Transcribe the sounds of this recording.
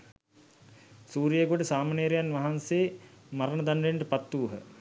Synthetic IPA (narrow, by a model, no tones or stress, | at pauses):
suːɾijeɡoʈəsaːmaneɾejanʋɐɦanseːmaɾənəd̪anɖeɳʈəpat̪ːuːɦə̰